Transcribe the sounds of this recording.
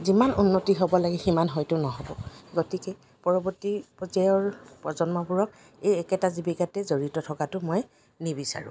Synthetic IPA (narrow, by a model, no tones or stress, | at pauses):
zimanunːotiɦobɔlaɡɛximanɦɔjtʊnɔɦɔbɔɡotikɛ | pɔɹɔbɔtipɔzaɔɹpɔzɔnmɔbuɹɔk̚ | ejɛkɛtazibikatɛzoɹitɔtʰɔkatʊmoj | nibisa̰ɹʊ̰̃